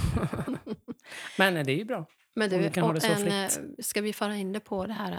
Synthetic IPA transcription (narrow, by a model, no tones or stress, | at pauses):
mɛnd̪ɛæɾjɵbɾɑː | mɛnd̪ɵkʰanɑːd̪ɛsɔnfskavɪfœːɾaɪnːd̪ɛpʰɔd̪ɛɦæːɾ